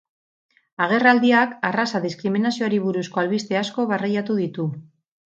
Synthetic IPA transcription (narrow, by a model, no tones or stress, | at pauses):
aɣ̞e̞rald̪iakarasaðiskɾiminasio̞aɾiβuɾusko̞alβist̪e̞asko̞βarajat̪uðit̪u